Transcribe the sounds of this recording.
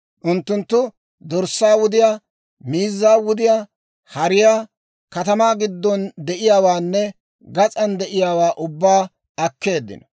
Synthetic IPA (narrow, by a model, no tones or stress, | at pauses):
ʔʊnt̪ːʊnt̪ːʊ | d̪ɔɾsːaːwʊd̪ɪjaː | miːzːaːwʊd̪ɪjaː | hɐɾɪjaː | kɐt̪ɐmaːɡɪd̪ːɔnd̪ɛʔɪjaːwaːnːɛ | ɡɐt͡sʼɐnd̪ɛʔɪjaːwaːʔʊbːaː | ɐkːe̞ːd̪ːɪ̰nɐ